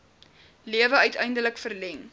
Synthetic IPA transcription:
liəvəœɥtʰɛjndələkfərlɛŋ

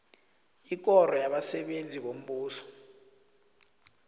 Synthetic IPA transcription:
ik̬ʼɔrɔjaɓasɛɓend͡zʱiɓom̩ɓuːsɔ̥

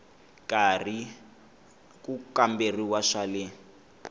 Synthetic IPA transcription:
kari | kukamberiwaʃale

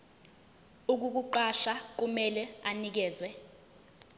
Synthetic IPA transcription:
uk̬uk̬uǃaʃak̬umɛlɛanik̬ɛːzwɛ

